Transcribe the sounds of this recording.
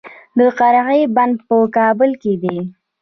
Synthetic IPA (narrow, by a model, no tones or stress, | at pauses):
d̪əqaɾaɣəjband̪̚pəkɑbʊlked̪e